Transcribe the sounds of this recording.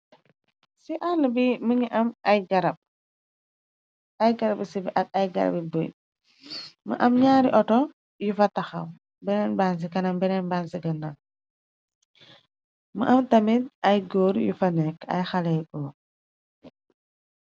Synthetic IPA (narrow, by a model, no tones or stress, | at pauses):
siʔalbiməɲiʔɐmɐjɡɐɾɐb̚ | ɐjɡɐɾɐbsibiʔɐk̚ɐjɡɐ̰ɾɐ̰bibṵj | mə̰ʔɐmɲaːɾiʔɔtɔ | jufɐtɐxɐw | bɛnɛnbans̬ikɐnɐmbɛnɛnbansiɡɐndɐŋ | məʔɐmtɐmit̚ɐjɡoːɾjṵfɐnɛkɐ̰jxɐlɛjɡɔːɾ